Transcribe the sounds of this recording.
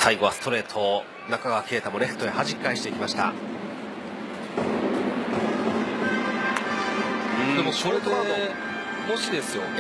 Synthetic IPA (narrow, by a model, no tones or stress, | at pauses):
saiɡo̞βasɨ̥t̪o̞ɾe̞ːt̪ʰo̞ | nakaɡakʰʲe̞ːt̪amo̞ɾe̞ɸɯ̟̥t̪o̞ehaʑiikːaiɕi̥t̪e̞ikʲimaɕi̥t̪a̰ | ɯ̃d̪emosoɾet̪oao | moɕid̪e̞sɨjo̞n